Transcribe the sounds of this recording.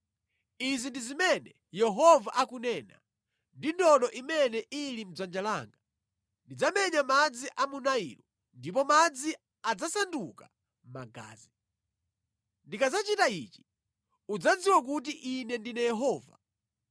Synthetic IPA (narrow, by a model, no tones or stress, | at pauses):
izindizimɛnɛ | jɛɦɔvaʔakunɛna̰ | ndindɔɗɔʔimɛnɛʔilim̩d͡zand͡ʒalaːŋɡa | ndid͡zamɛɲamad͡ziʔamunaḭːlɔ | ndip̬ɔmad͡zi | ad͡zasanduka | maɡa̰ːzi | ndikad͡zat͡ʃitait͡ʃi̥ | ud͡zad͡ziwak̬ut̬iʔinɛndinɛjɛɦɔːva̰